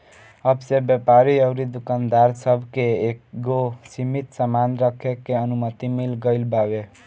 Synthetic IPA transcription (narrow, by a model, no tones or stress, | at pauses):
əbsebjəpaɾiəʊɾid̪ukand̪aɾsəbʱkeeɡosimit̪səmanɾəkʰekeənumət̪imilɡəɪlbabe